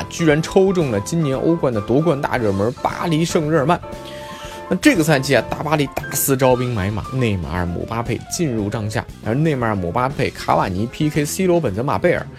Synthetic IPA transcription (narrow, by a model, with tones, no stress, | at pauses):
t͡ɕy˥ɻa˧˥nʈ͡ʂʰo˥ʊʈ͡ʂʊ˥˩ŋlə˩t͡ɕi˥nnjɛ˧˥nʔo̰˥ʊkwa˥˩nd̪ə˩t̪wɔ˧˥kwa˥˧nt̪a̰˥˩ɻə˥˩mə˧˥pa̰˥li˧˥ʂɤ˥˧ŋɻə˥˧ma˥˩n | na˥˧ʈ͡ʂɤ˥˩ɡə˩t͡sʰa˥˧nt͡ɕʰi˥˩a˨˧t̪a˥˩pa˥li˧˥t̪a˥˩sɹ̩˥ʈ͡ʂɑ˥ʊpi˥ŋma˧˥ɪma̰˨˩ne˥˩ɪma̰˧˥ə̰˨˩mṵ˨˩pa˥pʰe˥˧ɪt͡ɕi˥˧nɻu˥˧ʈ͡ʂɑ˥˧ŋɕja̰˥˩ə˧˥ne˥˩ɪma˧˥ə˨˩mɔ̰˨˩pa˥pʰe˥˩ɪkʰa̰˧˥wa˨˩ni˧˥pʰi˥kʰe˥ɪsi˥lwɔ˧˥pə˨˩nt͡sə˧˥ma̰˨˩pe˥˩ɪə̰˞˨˩˦